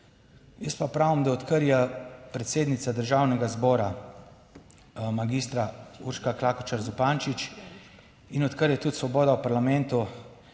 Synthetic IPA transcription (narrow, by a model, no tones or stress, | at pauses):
jəspapɾaːwəmd̪aɔt̪kəɾjɛpɾɛt̪seːd̪nit̪sad̪əɾʒawnɛɡazbɔːɾa | maɡist̪ɾauɾʃkaklaːkɔt͡ʃaɾzupaːnt͡ʃit͡ʃ | inɔt̪kəɾjɛt̪ut̪sʋɔbɔːd̪awpaɾlamɛnt̪u